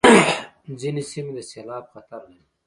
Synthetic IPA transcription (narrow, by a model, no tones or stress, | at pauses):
zinesimed̪əselɑːb̚xat̪aɾlaɾi